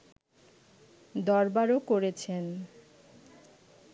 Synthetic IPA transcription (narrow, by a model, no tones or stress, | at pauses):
d̪ɔɾbaɾokoɾet͡ɕʰen